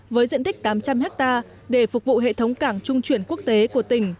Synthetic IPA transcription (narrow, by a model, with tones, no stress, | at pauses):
vəː˨˦jzḭ˧˨ənt̪ï˦˥k̟̚t̪aː˨˦mt͡ɕa˧mhɛ˦˥k̚t̪aː˧ | ɗe˧˩fʊ˨˩k̚vṵ˧˨ɦḛ˧˨t̪ʰə˨˦wŋ͡mkaː˧˩ŋt͡ɕʊ˧ŋ͡mt͡ɕwi˧˩ənku˦˥ək̚t̪e˨˦ku˧˩ət̪ï˧˩ŋ̟